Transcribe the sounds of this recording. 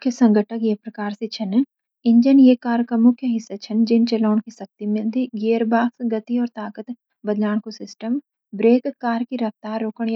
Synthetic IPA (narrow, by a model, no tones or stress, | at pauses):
mʊkʰjəsɐ̃ŋɡəʈʰəkjepɾɐkaːɾset͡ʃʰɐn | ɪ̃ɲd͡ʒənjeːkaːɾkɐmʊkʰjəɦɪsːat͡ʃʰɐnd͡ʒɪnt͡ʃɐlaːnkisɐk̚t̪imẽd̪iɡeːəɾbaːfɡɐt̪iɔːɾt̪aːkət̪ | bɐd̪laːɽ̃kosɪsʈəm | bɾeːkːaːɾkiɾɐft̪aːɾːoːkəɽ̃j